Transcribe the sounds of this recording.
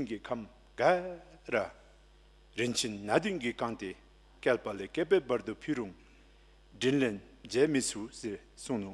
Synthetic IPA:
nkikʰam | ɡara | rent͡ɕʰinːad̪ynkikɑŋt̪e | kelpalekepɛpard̪upʰiruŋ | ɖ͡ʐinlen | d͡ʑɛːmiʔsʰuse | suŋnu

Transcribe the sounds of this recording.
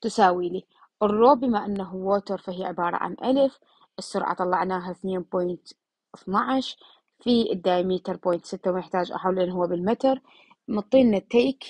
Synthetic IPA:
t̪ɪsaːwiːli | ʔɨrˤːoːbimaʔanːaɦuwoːt̪əɾˤfahɪjːaʕɪbɑːɾˤɑ̰ʕa̰nʔalf | ʔɪsːʊɾʕɑ̰t̪ˤɑlːɑ̰ʕnaːɦaθneːnboːjnt̪ | ʔθnɑʕaʃ | fid̪ːaːjmiːt̪ɑɾˤboːjnt̪sɪt̪ːawnɪħt̪aːd͡ʒʔa̰ħawːlʔɪnɦʊwːabɪlmat̪ɑɾˤ | mɨt̪ˤːiːnːat̪ːeːk

